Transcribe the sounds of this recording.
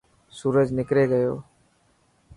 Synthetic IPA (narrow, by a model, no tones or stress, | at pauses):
suːɾəd͡ʒnɪkɾeːɡəjoː